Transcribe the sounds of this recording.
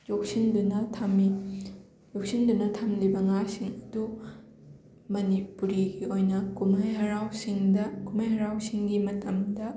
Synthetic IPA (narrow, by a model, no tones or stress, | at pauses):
d͡ʒok̚sindunɐtʰmi | jok̚sindunɐtʰɐmlibɐŋasiŋɐdu | mɐnipuɾiɡiojnɐkumajɦɐɾawsiŋdɐkumajɦɐɾawsiŋɡimɐtɐmdɐ